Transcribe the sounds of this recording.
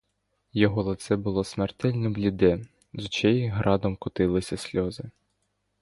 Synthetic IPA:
jɔɦɔlˠɐt̪sɛbʊlˠɔsmert̪ɛlʲnɔblʲid̪ɛ | zut͡ʃɛjiɦɾɑd̪ɔmkʊt̪ɪlˠɪsʲɐsʲlʲɔzɪ

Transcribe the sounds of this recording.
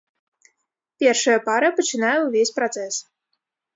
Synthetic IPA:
pʲɛrʂɐjɐpaɾɐpɐt͡ʃɨnajɛuvʲesʲpɾɔt̪sɛs

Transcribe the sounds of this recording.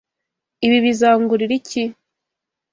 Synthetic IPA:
iβiβizaːŋɡuɾiɾici

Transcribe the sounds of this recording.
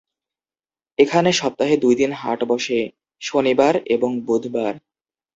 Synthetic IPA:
ekʰaneʃɔp̚t̪aɦed̪ujd̪inɦa̰ʈbɔʃe | ʃonibaɾeboŋbud̪ʱbaɾ

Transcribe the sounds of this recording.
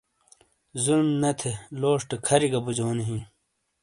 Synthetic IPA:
zulmnɐt̪ʰeloːʂʈɐkʰɐɾiɡɐbud͡ʑoːniɦĩ

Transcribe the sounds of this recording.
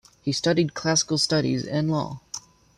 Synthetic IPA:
histʌɾid̚kʰl̥æsə̥kl̩ˠstʌɾḭzɪ̃nlɔ̰

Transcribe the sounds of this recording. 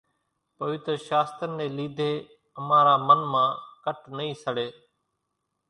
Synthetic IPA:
pəʋɪt̪əɾʃaːst̪ənːẽːliːd̪ʱeː | əmãːɾaːmənmãːkəʈnəĩːsəɽeː

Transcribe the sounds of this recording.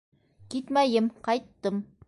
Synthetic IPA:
kit̪mæjɘmqɑjt̪ːɤm

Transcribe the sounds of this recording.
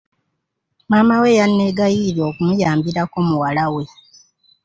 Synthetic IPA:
maːmawe̞janːe̞ɡajiɾjo̞kumujaːmbiɾako̞muwalawe̞

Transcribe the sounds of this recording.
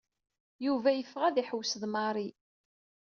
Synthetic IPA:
juvæjəfʁæðiħəwːsðmɑɾˤi

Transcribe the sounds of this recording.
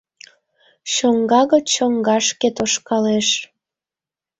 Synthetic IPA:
ʃoŋɡɑɣət͡ɕoŋɡɑʃket̪oʃkɑleʃ

